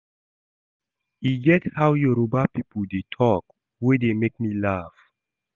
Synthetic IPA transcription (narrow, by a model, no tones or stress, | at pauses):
iɡɛthawjɔɹobapipəldetʰɔk | wedemek̚milaf